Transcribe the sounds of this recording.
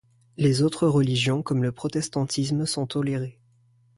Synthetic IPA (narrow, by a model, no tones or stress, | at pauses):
lezot̪χəʁəliʒjɔ̃kɔmləpχɔt̪ɛst̪ɑ̃t̪ismsɔ̃t̪ɔleʁe